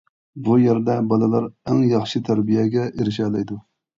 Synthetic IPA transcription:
bujæɾd̪ɛbɑlˠɨlˠɑɾæŋjɑχʃit̪ʰæɾbijɛɡʲɛʔeɾɪʃɛːlˠɛjd̪u

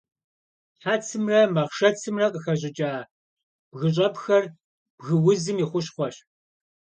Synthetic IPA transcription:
ħaːt͡sʰɨmrɐmɐʁʃɐt͡sʰɨmrɐqʼəxɐʑ̬ʼɪt͡ʃʼaː | b̥ɣɨɕ̬ʼɐpxɐr | b̥ɣɨwʊzɨmiχʷʊɕχʷɔɕ

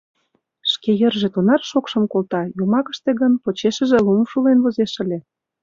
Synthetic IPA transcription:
ʃkejerʒĕt̪onɑrʃokʃə̆mkolt̪ɑjumɑkə̥̆ʃt̪eɣənpot͡ɕeʃə̆ʒĕlumʃulenβozeʃə̆lʲĕ

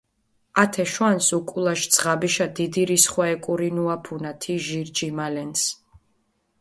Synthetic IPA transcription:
at̪ʰɛʃwansukʼulˠaʃd̪z̥ʁabiʃad̪id̪iɾisχwaɛkʼuɾinuapʰunat̪ʰiʒiɾd͡ʒimalɛns

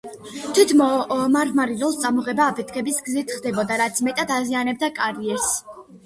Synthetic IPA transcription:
t̪ʰwit̪ʰmɔmaɾmaɾiɾɔlˠst̪sʼamɔʁɛbaːpʰɛt̪ʰkʰɛbisɡzit̪ʰχd̪ɛbɔd̪aɾat̪sʰmɛt̪ʼad̪azianɛb̚d̪akʼaɾiɛɾs

